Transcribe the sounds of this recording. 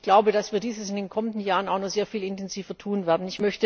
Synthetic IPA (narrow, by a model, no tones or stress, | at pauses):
ɡ̥laʊbəɾasv̥iːɐdiːzəsɪndeːnkʰɔməndn̩jaːʁənaʊnɔχz̥eːɐfiːlɪntɛnziːvɐtʰuːnvɛːɐdn̩ɪçmœçtə